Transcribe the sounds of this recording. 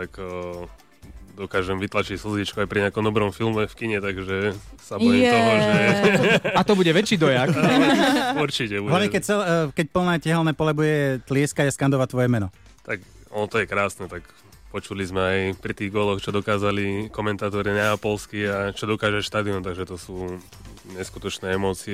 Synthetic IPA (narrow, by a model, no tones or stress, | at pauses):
t̪akə | d̪ɔkaːʒɛmʋit̪lat͡ʃicsl̩zʋit͡ʃkuajpɾiɲɪakɔmd̪ɔbɾɔmfilmɛfkiɲɛt̪aɡʒɛsabɔɛɔaʒɛ | at̪ɔbuɟɛʋɛt͡ʃːiːd̪ɔjak | uɾt͡ʃicɛbuɦlaʋɲɛkɛc̚t͡sɛlkɛc̚pl̩nɛːcɛɦɛlnɛːpɔlɛbujɛt̪lɪɛskaɟaskand̪ɔʋact̪ʋɔjɛmɛnɔ | t̪ak | ɔnɔt̪ɔjɛkɾaːsnɛt̪ak | pɔt͡ʃulizmɛajpɾit̪iːɣɡɔlɔxt͡ʃɔd̪ɔkaːzalikɔmɛnt̪aːt̪ɔɾinɛapɔlskiat͡ʃɔd̪ɔkaːʒɛʃt̪aːd̪iɔnt̪aɡʒɛt̪ɔsuː | ɲɛskut̪ɔt͡ʃnɛːɛmɔːt͡siɛ